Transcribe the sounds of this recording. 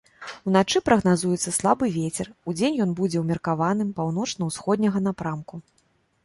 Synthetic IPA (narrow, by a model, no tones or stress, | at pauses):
unat͡ʂɨpɾɐɣn̪azujɛt̪sːɐslˠabɨvʲet͡sʲɛrud͡zʲenʲjɔnbud͡zʲɛwmʲɐrkavanɨmpawn̪ɔt͡ʂnɐwsxɔd̪̚ʲnʲɐɣɐnapɾamku